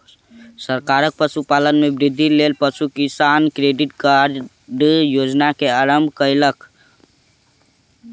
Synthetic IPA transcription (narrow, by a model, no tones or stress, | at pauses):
səɾkaɾək̚pəsupalənmebɾɪd̪ʱːilelpəsukisankɾeɖɪʈkaɾ | ɖjod͡ʒnakeaɾəmbʱkəjlək